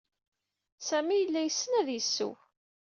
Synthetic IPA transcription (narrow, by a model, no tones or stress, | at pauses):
sæmijəlːæjəsːənæðjəsːṵ